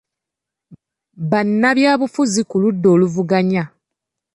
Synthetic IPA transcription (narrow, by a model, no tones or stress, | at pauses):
βanːaβjaːβufuzikuludːo̞ːluvuɡaɲa